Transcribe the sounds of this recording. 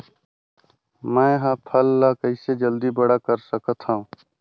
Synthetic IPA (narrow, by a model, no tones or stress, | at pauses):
mɛ̃ːɦãːpʰəlːaːkəɪseːd͡ʒəld̪iːbəɽaːkəɾsəkət̪hã